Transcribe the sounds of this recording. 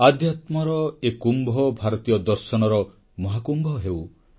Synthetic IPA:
ad̪ʱjat̪mɔɾɔekumbʱɔbʱaɾɔt̪ijɔd̪ɔɾsɔnɔɾɔ | mɔɦakumbʱɔɦew

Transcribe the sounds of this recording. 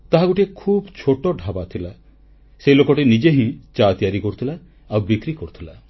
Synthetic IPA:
t̪aɦaɡuʈiekʰuːbt͡ʃʰoʈɔɖʱabat̪ʰila | selokɔʈinid͡ʒeɦĩt͡ʃat̪ijaɾikɔɾut̪ʰilaː | wbikɾikɔɾut̪ʰila

